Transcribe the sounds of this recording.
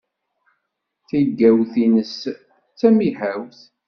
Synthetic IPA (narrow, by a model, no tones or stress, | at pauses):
θiɡːæwθinəs | t͡sːæmiħæwθ